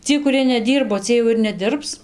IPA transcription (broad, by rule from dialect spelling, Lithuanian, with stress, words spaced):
ˈt͡sʲiɛj kʊˈrʲiɛ nʲɛˈdʲiːrboː ˈt͡sʲiɛj jɛʊ ɪr nʲɛˈdʲɪrps